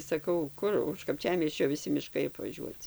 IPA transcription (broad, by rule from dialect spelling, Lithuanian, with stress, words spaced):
sɐˈkɐʊ ˈkʊr ʊʃ kɐpʲˈt͡ʃʲæːmʲiɛsʲt͡ʃʲoː ʋʲɪˈsʲɪ mʲɪˈʃkɐɪ ɐpʋɐˈʒʲuɔt͡sʲɪ